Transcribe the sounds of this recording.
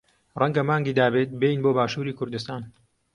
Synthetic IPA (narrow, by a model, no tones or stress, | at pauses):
rɐŋɡɐmaːŋɡiːd̪aːbeːt̪̚beːjnboːbaːʃuːɾiːkʰʊɾd̪ɨst̪aːn